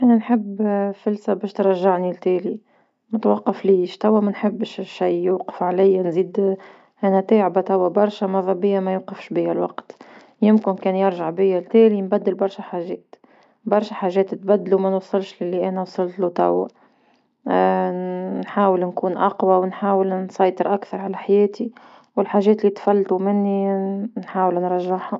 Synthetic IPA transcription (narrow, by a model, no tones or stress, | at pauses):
ʔænænħɪbːfɪlsæbɛːʃt̪ɾˤɑʒːaʕnilt̪æːli | mʊt̪wɑqːɑfliːʃt̪æwːæmænħɪbːʃʃijjuːqə̥fʕalɪjːnziːd̪ | ʔænæt̪æːʕbat̪æwːæbɑɾˤʃæmɑðˤɑbɪjːamæjuːqɪfʃbɪjːælwɑqt̪ | jɪmkɪnkɛːnjɑɾˤʒaʕbɪjːælt̪ɛːlinbæd̪ːəlbɑɾˤʃæħaʒɛːt̪ | bɑɾˤʃaħaːʒɛːt̪t̪̚bæd̪ːlumænwɑsˤːɨlʃlɪlːiʔænæwɑsˤɑlt̪lut̪æ̰wːa | nħaːwəlnkuːnʔɑqwawɪnħaːwəlnsˤɑjt̪ˤəɾʔakθɑɾˤʕalæħajɛːt̪i | wɪlħaːʒɛːt̪lːit̪fælːt̪umɪnːinħaːwəlnɾˤɑʒːaħha